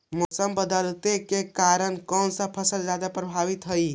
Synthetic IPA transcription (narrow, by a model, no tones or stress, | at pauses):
mɔsəmbəd̪əlt̪ekekaɾənkɔnsə̃pʰəsəld͡ʒad̪apɾəbʱaʋit̪ɦəj